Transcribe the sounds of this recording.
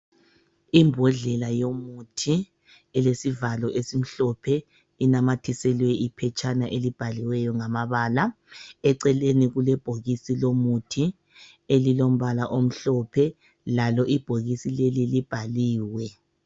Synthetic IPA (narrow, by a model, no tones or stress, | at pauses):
imbʱɔɮɛlajomutʰi | ɛlesivalɔʔesim̩ɬɔpʰɛ | inamatʰisɛlwɛʔipʰɛt͡ʃʰʼanaʔelib̥ʱaliwɛjɔŋamaβaːla | ɛǀɛleniɣulɛb̥ʱoɣisilomutʰi | elilom̩βalaʔom̩ɬɔpʰɛ | lalɔʔib̥ʱoɣisilelilib̥ʱaliːwɛ